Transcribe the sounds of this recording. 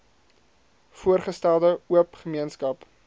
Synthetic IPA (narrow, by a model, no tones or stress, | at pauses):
fuərχəstælˠdəuəpχəmiənskɐp